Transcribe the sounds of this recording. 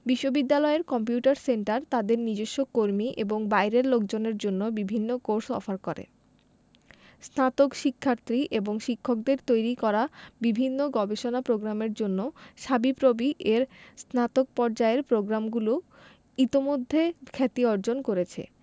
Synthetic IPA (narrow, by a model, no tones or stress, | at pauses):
biʃːobid̪ːalɔeɾkɔmp̬juʈaɾseɳʈaɾt̪ad̪eɾnid͡ʑeʃːokoɾmiʔeboŋbajɾeɾlokd͡ʑoneɾd͡ʑonːobibʱinːokoɾsɔ̰faɾkoɾḛ | snat̪okʃikʰːaɾt̪ɾiʔeboŋʃikʰːok̚d̪eɾt̪ojɾikɔɾabibʱinːoɡɔbeʃonapɾoɡɾameɾd͡ʑonːoʃabipɾobiʔeɾsnat̪ok̚pɔɾd͡ʑaeɾpɾoɡɾamɡulo | it̪imod̪ʱːekʰɛt̪iɔɾd͡ʑonkoɾet͡ɕʰḛ